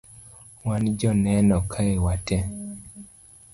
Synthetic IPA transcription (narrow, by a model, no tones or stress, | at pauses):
wand͡ʒɔnɛnɔkʰaewatɛ